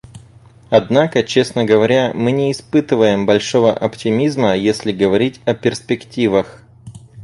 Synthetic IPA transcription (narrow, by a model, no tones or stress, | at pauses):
ɐd̪nakət͡ɕe̞snəɡəvɐɾʲamɨnʲɪːspɨt̪ɨvəjɪmbɐlʲʂo̞vəʔɐptʲɪmʲizməjesʲlʲɪɡəvɐɾʲitʲɐpʲɪrspʲɪktʲivəx